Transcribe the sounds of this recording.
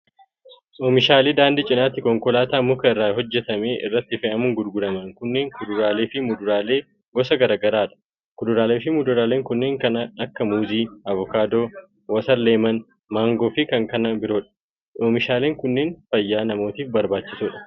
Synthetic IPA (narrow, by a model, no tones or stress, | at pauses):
ʔoːmɪʃaːleːd̪aːnd̪ɪt͡ʃʼɪnaːt̪ːɪkɔŋkɔlaːt̪aːmːʊːkɐɪrːaːɦɔd͡ʒːɛt̪ɐmeːʔɪ̰rːɐt̪ːɪfɛʔɐmʊŋɡʊd̪ɡʊlɐmɐŋkʊnːeːŋkʊd̪ʊɾaːle̞ːfɪmʊd̪ʊɾaːle̞ː | ɡɔsɐɡɐɾaːɡɐɾaːᶑɐ̥ | kʊᶑ̪ʊɾaːle̞ːfɪmʊd̪ʊɾaːle̞ːŋkʊnːeːŋkɐnɐɐkːɐmuːziːʔɐvɔkaːd̪o̞ː | wɐsɐɾle̞ːmɐn | maːŋɡoːfɪkɐŋkɐnɐbɪɾo̞ːᶑɐ̥ | ʔoːmɪʃaːle̞ːŋkʊnːeːnfɐjːaːnɐmoːt̪iːfbɐɾbaːt͡ʃːɪsuːᶑɐ̥